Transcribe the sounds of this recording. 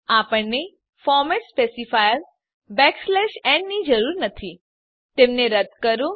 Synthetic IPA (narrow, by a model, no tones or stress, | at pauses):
apəɳni | fɔɾmespesifajəl | bɛkslɛʃɛ̃ɳɖnid͡ʒəɾuːɾnət̪ʰi | t̪emneɾəd̪kəɾũ